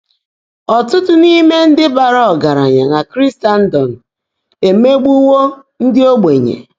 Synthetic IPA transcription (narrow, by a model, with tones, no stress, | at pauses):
ɔ˨tʊ˦tʊ˦ni˦me˦n̩˦dɪ˦ba˨ɾa˦ɔ˨ɡa˨ɾa̰˨ɲa̰˨na˨kɾi˦sta˨n̩˦dɔ˨n̩˨ | e˨me˦ɡ͡bu˦wo˦ | n̩˦dɪ˦o˦ɡ͡be˨ɲḛ˨